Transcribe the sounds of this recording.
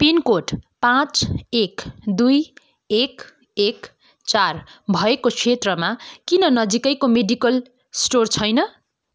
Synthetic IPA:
pinkoʈpãt͡sekd̪uj | ek | ek | t͡sarbʱʌekokʰet̪rʌmakinʌnʌd͡zikʌjkomeɖikʌl | sʈort͡sʰʌjnʌ

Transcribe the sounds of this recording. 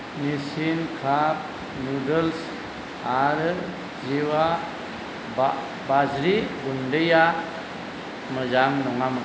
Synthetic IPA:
nisinkʰap̚ | nudəls | aɾ | ziwa | bazɾiɡundeja | məzaŋnɔŋamə

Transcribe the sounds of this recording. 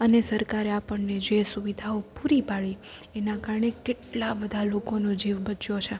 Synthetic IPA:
ənesəɾkaɾeapəɳned͡ʒesuʋid̪ʱaopuɾipaɭi | enakaɾɳekeʈlabəd̪ʱalokonod͡ʒiʋbət͡ʃjot͡ʃʰe

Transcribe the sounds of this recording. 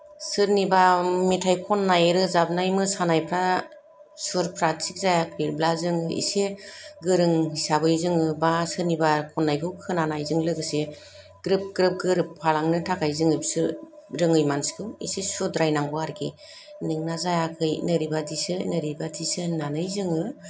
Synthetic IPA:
sɯɾnibametʰajkʰɔnːajɾɯzab̚najmɯsanajpʰɾa | suɾpʰɾasʰik̚zajakʰɾiɾblazɯŋɯḭseɡɯɾɯŋɦisabɯjzɯŋɯbasɯɾnibakʰɔnːajkʰɯwkʰɯnanajzɯŋlɯɡɯse | ɡ̥ɾɯp̚ɡɾɯp̚ɡɯɾɯpʰːalaŋnɯtʰakʰajzɯŋɯjbsɯ | ɾɯŋɯjmanskʰɯwḭsesɔdɾajnaŋɡɔaɾɡi | nɯŋnazajakʰɯjnɯɾibadisɯnɯɾibadisɯnanɯjzɯŋɯ

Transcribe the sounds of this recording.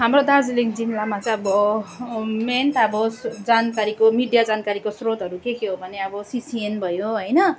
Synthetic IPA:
ɦamrod̪ad͡zilikd͡zinlamat͡saʌbʌ | menʈʌbʌsd͡zankaɾikomiɖijad͡zankaɾikosrot̪ɦʌɾukekeɦobʱʌneʌbʌsisienbʱʌjoɦʌjnʌ

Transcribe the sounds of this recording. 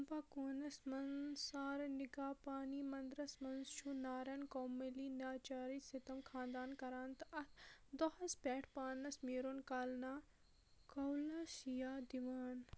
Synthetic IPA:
ɐmpaːkoːnɐsmɐnsaːɾniɡaːpaːnimɐnd̪ɾɐsmɐnzʃuːnaːɾɐnkoːmːeliːnaːt͡ʃaːɾisit̪ɐmkʰãːnd̪aːnkɐɾaːnt̪ɐt̪ʰd̪ɐhɐspʲɛːʈʰpaːnɐsmiːɾoːnkaːlnaː | kɐwlɐʃijaːd̪iʋaːn

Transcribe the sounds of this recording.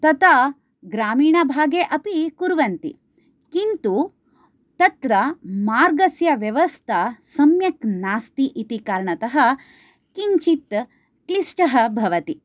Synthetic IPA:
t̪ɐt̪aː | ɡɾaːmiːɳɐbʱaːɡeːʔɐpikuɾʋɐnt̪ḭ | kint̪u | t̪ɐt̪ɾɐmaːɾɡɐsjɐʋjɐʋɐst̪ʰɐsɐmjɐknaːst̪iʔit̪ikaːɾɳɐt̪ɐɦɐ̆ | kiɲt͡ʃit̪ | klisʈɐɦɐ̆bʱɐʋɐt̪i

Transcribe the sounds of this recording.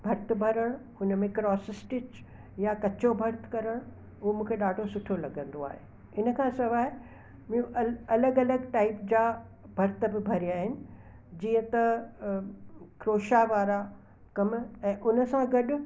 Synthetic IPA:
bʱɐɾt̪̆bʱɐɾəɽ̃hʊnəmẽkɾɔːsɪsʈɪt͡ɕ | jakɐt͡ɕobʱɐɾt̪kɐɾəɽ̃ | ʊɦomũːkʰeɗaːɖʱosʊʈʰolɐɡə̃nd̪oa̰ːɦḛː | ɪnə̆kʰãːsɐʋaːɪ | mũʔɐɐləɡɐləɡʈaːɪpd͡ʑaː | bʱɐɾt̪bɪbʱɐɾijaːɦɪnɪ̆ | d͡ʑiːə̃t̪ɐ | kɾoːʃaʋaːɾa | kɐmɛ̃ːʔʊnə̆sãɡɐɗʊ̆

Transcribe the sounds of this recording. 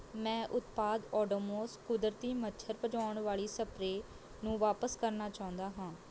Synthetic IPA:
mɛ̃ːʔʊt̪paːd̪ɔːɖoːmoːskʊd̪ɾt̪iːmətːʃʰəɾpəd͡ʒaːʊɳʋaːɭiːsəpɾeː | nũːʋaːpəskəɾnaːt͡ʃaːʊ̃nd̪aːɦãː

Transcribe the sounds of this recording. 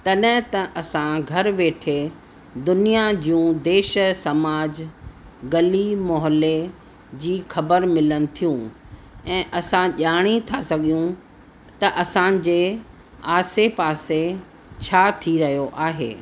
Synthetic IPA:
t̪ɐɗɦɪ̃t̪ɐʔɐsãɡʱɐɾʋeːʈʰe | d̪ʊnijad͡ʑijũd̪eːʃsɐmaːd͡ʑ | ɡɐlimɔːɦle | d͡ʑiːxɐbəɾmɪlənɪ̆t̪ʰijũ | ɛ̃ːʔɐsãʄaːɽ̃it̪ʰasɐɠijũ | t̪ɐʔɐsãd͡ʑeː | aːsepaːse | t͡ɕʰaːt̪ʰiɾɐɦijoʔaːɦḛː

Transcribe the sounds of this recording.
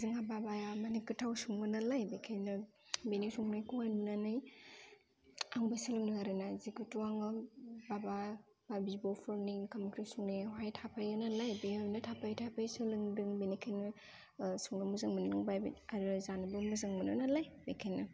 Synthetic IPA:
zɯŋababajamanikɯtʰawsuŋbɯnalajbekʰajnɐ | benisuŋnajkuannanaj | aŋbajsɯlɯŋdɯŋaɾɯnazikutuaŋɯbaba | b̥abibɔpʰɔɾnikʰamɯkʰɾisuŋnajwajtʰapʰajɯnalajbeanatʰapʰajtʰapʰajsɯlɯŋdɯŋbenikʰajnɯ | suŋnɯmuzaŋmɯnɯnɯŋbajbḭaɾɯzanɯbɯmuzaŋmɯnɯnalajbekʰajna

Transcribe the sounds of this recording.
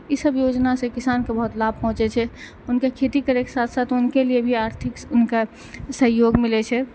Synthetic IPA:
isəbjoːd͡ʒnasẽkɪsaːnkebəɦʊt̪laːb̚ʱpɔɦʊ̃t͡ʃet͡ʃʰɛ | ʊnkekʰeːt̪ikəɾeke̥saːt̪ʰsaːt̪ʰʊnkeliebʱiaːɾt̪ʰɪkʊnka | səɦjoːɡmɪlet͡ʃʰɛ

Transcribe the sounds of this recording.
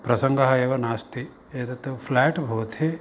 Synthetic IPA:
pɾɐsɐŋɡɐɦɐeːʋɐnaːst̪i | eːt̪ɐt̪ːupʰlɛːʈbʱɐʋɐt̪ʰe

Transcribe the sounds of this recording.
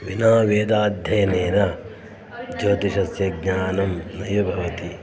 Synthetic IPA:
ʋinaːʋeːd̪aːd̪ʱjɐjɐneːnɐ | d͡ʒoːt̪iʃɐsjɐɡ̚ɲaːnɐmnɐjʋɐbʱɐʋɐt̪i

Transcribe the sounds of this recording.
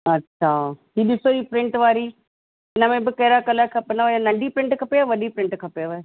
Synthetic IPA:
ɐtːɕʰaːɦiːɗɪsoiːpɾɪ̃ɳʈʋaːɾi | ɪnə̆mẽbɪkɐɦɪɾakɐlakʰɐpɪnaʋajanɐ̃ɳɖʱipɾɪ̃ɳʈkʰɐpeaʋɐɗipɾɪ̃ɳʈkʰɐpeʋaːe

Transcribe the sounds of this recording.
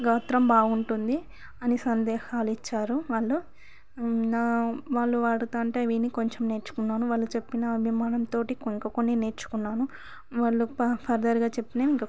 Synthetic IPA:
ɡaːt̪ɾɐmbaːuɳʈund̪i | ɐnisɐnd̪ɛːhaːluit͡ʃːaːɾuʋaːɭːu | naːʋaːɭːuʋaːɽut̪aːɳʈeːʋiːnikoɲt͡ʃemne̞ːɾt͡ʃu̥kunːaːnuʋaːɭːut͡ʃe̞pːinɐːbʱimaːnɐmt̪o̞ːʈikiŋkɐkoniːne̞ːɾt͡ʃu̥kunːaːnu | ʋaːɭːuppʰɐɾd̪ɐɾuɡaːt͡ʃe̞pːinaːmiŋkɐ

